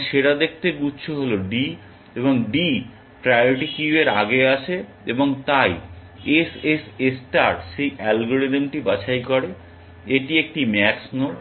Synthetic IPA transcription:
ʃeɽad̪ek̚ʰt̪eɡutːɕʰoɦoloɖi | eβoŋɖi | pɾajoɾiʈikiueɾa̰ɡeaʃʰe | eboŋt̪aj | esesesʈaɾʈʃejʔɛlɡoɾedemʈibat͡ɕʰajkɔɾe | eʈiek̚ʈimɛksno

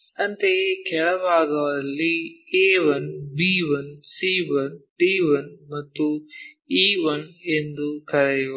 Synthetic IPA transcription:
ɐnt̪ekʰɛɭɐʋaːɡɐʋɐlːieːʋɐnbiːʋɐnsiːʋɐnʈiːʋɐnmɐt̪ːu | iːʋɐnend̪ukɐɾɐju

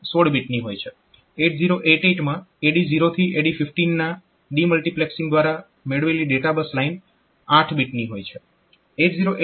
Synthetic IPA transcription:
soɽbiʈniɦojt͡ʃʰe | eʈ̚ziɾoʔeʈeʈmãeɽiziɾot̪ʰiʔeɽifɪfʈinːa | ɖiməlʈiplɛksiŋd̪ʋaɾa | meɽʋeliɖeʈabəslain | aʈʰbiʈniɦojt͡ʃʰe | eʈziɾoʔe

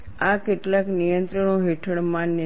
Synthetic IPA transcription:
akeʈlaknijənt̪ɾəɳoɦiʈʰəɽmãn

